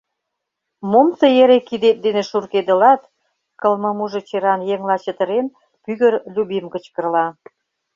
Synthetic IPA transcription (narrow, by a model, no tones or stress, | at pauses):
momsɤ̆jeɾekid̪et̪̚d̪eneʃurked̪ə̆lɑt̪ | kə̆lmɤ̆muʒĕt͡ɕeɾɑnjeŋlɑt͡ɕə̆t̪ə̆ɾen | pyɣərlʲubimkə̆t͡ɕkə̆rlɑ